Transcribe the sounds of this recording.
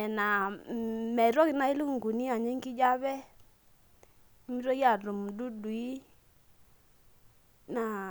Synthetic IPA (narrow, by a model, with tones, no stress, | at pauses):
ɛ˨na˨ | mɛ˨ɾɔ˦ki˨˦na˦i˦lu˦˨ŋɡu˨ni˦a˨ɲi˦ŋki˦d͡ʒa˦βɛ˦ | i˦mi˦ɾɔ˦ki˦a˨ɾu˨m˨du˦du˨i˦ | na˨